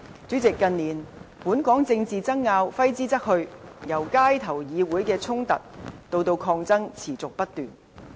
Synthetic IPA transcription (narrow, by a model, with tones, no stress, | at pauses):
t͡sy˨˥t͡sɪ˨kːɐ˧nniː˨˩npuː˨˥nkɔː˨˥ŋt͡sɪ˧ŋt͡siː˨t͡sɐ˥ŋːaː˧wfɐ˥jt͡siː˥t͡sɐ˥k̚hɵ˧ɥjɐ˨˩wkaː˥jt̪ʰɐ˨˩wjiː˨˧wuː˨˥jkɛː˧t͡sʰʊ˥ŋt̪ɐ̰˨t̚t̪o˧wt̪o˧wkʰɔː˧ŋt͡sɐ˥ŋt͡sʰiː˨˩t͡sʊ˨k̚pɐ˥t̚t̪yː˨˩n